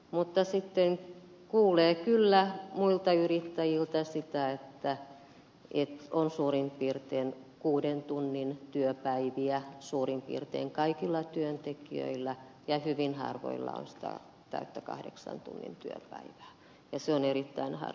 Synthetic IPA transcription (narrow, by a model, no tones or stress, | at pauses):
mut̪ːɑsit̪ːeŋ | kuːleːkylːæmuilt̪ɑyrit̪ːæjilt̪ɑsit̪æet̪ːæ | ʔet̪onsuːrimpiːrt̪eːn | kuːdent̪unːint̪yøpæiʋiæsuːrimpḭːrt̪ḛːŋkɑikilːɑt̪yønt̪ekiø̰ilːæ | jɑhyʋinhɑ̰rʋo̰ilːɑ̰o̰nsi̥t̪æ̰ | t̪æ̰yt̪ːækɑ̰hdḛksɑ̰nt̪ṵnːḭnt̪yø̰pæ̰iʋæ̥ː | jɑseoneɾit̪ːæinhɑ̰